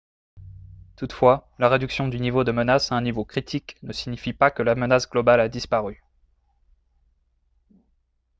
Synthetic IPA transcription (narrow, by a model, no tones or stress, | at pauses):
t̪ut̪fwalaʁed̪yksjɔ̃d̪ynivod̪əmənasaɛ̃nivokχit̪ʰiknəsiɲifipakəlamənasɡlɔbalad̪ispaʁy